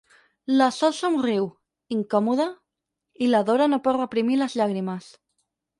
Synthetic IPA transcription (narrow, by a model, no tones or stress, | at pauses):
lasɔlsomriw | iŋkɔmuð̞a | ilaðoɾanopɔd̪rəpɾimilazʎaɣ̞ɾimas